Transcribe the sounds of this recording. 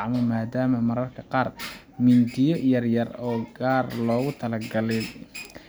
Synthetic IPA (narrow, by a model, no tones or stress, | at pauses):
ʕmɔmaːd̪aːmɐmɐɾɐrkʰɐqɑːr | mɪnd̪ɪjɔjɐrjɐrɔːɡaːrlɔːɣʊt̪ʰɐlɐɡɐlɛ